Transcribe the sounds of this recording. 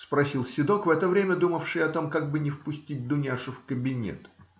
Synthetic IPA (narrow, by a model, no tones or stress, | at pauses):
spɾɐsʲilˠsʲɪd̪o̞kvɛt̪əvɾʲemʲəd̪uməfʂɨjɐt̪o̞mkaɡ̚bɨnʲɪfpʊsʲtʲit̚ʲd̪ʊnʲaʂʊfkəbʲɪnʲḛt̪